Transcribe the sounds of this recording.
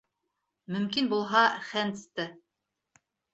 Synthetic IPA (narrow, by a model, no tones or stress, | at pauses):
mɵ̆mkinbulˠɦɑχænt̪st̪ɘ